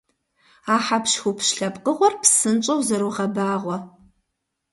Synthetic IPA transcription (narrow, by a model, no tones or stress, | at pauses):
aːħapʃxupʰʃɬɐpqəʁʷɔrpʰsɨnt͡ʃʼɐwzɐɾuʁɐbaːʁʷɔ